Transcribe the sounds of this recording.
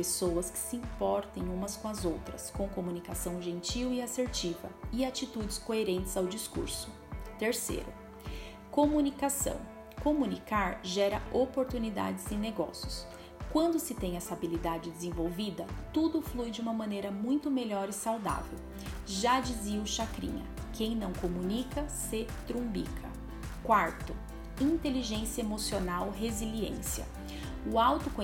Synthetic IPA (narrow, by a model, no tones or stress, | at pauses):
pesowɐskɪ̥siĩpɔɾt̪ẽj̃ũmɐskõɐzowt̪ɾɐskõw̃komunikasɐ̃w̃ʒẽnt͡ʃiwɪaseɾt͡ʃivɐ̰ɪat͡ʃit̪ud͡ʒɪskoeɾẽnt͡ʃɪz̥awd͡ʒiskṵɾsʊ̥ | t̪eɾsḛɾʊ̰ | komunikasɐ̰̃w̃ | komunikaɾʒɛɾɐopoɾt̪unid̪a̰d͡ʒɪzẽneɡɔ̰sjʊs | kwɐ̃nd̪ʊsɪt̪ẽj̃ɐsabilid̪ad͡ʒɪd͡ʒ̪ezẽvowvid̪ɐt̪ud̪ʊflujd͡ʒũmɐmɐ̃nejɾɐmũj̃t̪ʊmeʎɔɾɪsawd̪a̰vḛw | ʒad͡ʒiziɐʊʃakɾḭ̃ɲɐ̰kʰẽj̃nɐ̃w̃komunikɐset̪ɾũbḭkʰɐ̰ | kwaɾt̪ʊ | ĩt̪eliʒẽsjɐemosionawɦeziliḛ̃siɐ̰ | ʊawt̪ʊkõ